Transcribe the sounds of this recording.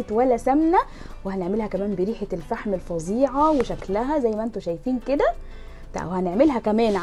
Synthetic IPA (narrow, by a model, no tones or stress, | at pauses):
t̪wælːæsæmnæ | wehæneʕmelhækæmæːmbeɾiːħelfaħmelfɑzˤiːʕɑweʃæklæɦæzæjːmæʔent̪oʃæjfiːnked̪æ | t̪wehæneʕmelɦækæmæːnʕ